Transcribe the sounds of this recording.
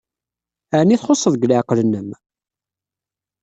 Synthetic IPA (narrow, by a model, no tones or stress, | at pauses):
əʕniθχosˤːəðˤɡlaʕqlənːəm